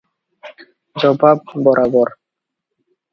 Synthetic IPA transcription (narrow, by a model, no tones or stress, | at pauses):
d͡ʒɔbʱab̚ːɔɾʔabɔɾ